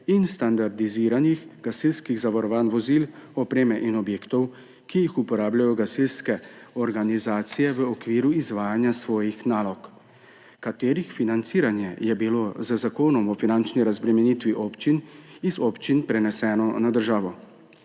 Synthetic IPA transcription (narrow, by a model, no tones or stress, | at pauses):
inst̪and̪aɾd̪iziːɾanixɡ̥asilskiɣzaʋɔɾɔʋaːnʋɔzilɔpɾeːmɛʔinɔbjeːkt̪ɔw | kijixupɔɾaːbljajɔɡasilskɛɔɾɡanizaːt̪sijɛʋəɔkʋiːɾuizʋaːjanjasʋɔːjixnaːlɔk | kat̪eːɾixfinant̪siːɾanjɛjɛbilozəzakoːnɔmɔfinant͡ʃniɾazbɾɛmɛnit̪ʋiʔɔpt͡ʃinizɔːpt͡ʃinpɾɛnɛsɛːnɔnad̪əɾʒaːʋɔ